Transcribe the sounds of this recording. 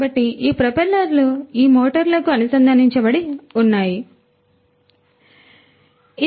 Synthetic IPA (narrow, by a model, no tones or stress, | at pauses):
bɐʈːiʔiːpɾɐpɐlɐɾluiːmoːʈɐɾlɐkuɐnusɐnd̪ʱɐniɲt͡ʃɐbɐɽiunːaːji | i